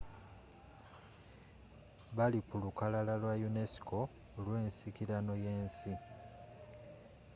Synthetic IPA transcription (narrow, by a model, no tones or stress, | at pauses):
βalikulukalalalwajune̞si̥kʰo̞ː | lwe̞ːnsikiɾano̞je̞ːnsi